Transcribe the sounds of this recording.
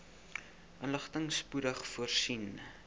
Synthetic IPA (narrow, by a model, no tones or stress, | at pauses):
ʔənləχtəŋspudəχfuərsin